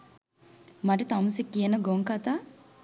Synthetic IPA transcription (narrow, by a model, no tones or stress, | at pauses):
maʈɐt̪amusekːijenɐɡoŋkat̪a